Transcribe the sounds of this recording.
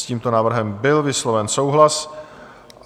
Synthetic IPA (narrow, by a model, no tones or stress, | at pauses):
ciːmt̪onaːvr̩ɦɛmbɪlvɪslovɛnsowɦlas